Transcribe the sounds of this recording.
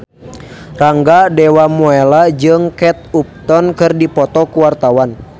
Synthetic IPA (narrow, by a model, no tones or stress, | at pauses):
raŋɡadɛwamuɛlad͡ʒɨŋkɛt̪̚up̚t̪ɔnkɨrdipɔt̪ɔkuwart̪awan